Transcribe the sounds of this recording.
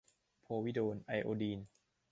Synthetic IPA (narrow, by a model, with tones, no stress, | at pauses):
pʰoː˧wi˦˥doː˧nʔa˧jʔo̰ː˧diː˧n